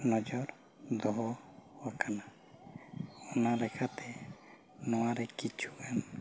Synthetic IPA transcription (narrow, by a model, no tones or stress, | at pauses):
nɔd͡ʒɔɾ | d̪ɔɦɔwakana | ɔnalɛkʰat̪ɛ | nɔwaɾɛkit͡ʃʰuʔan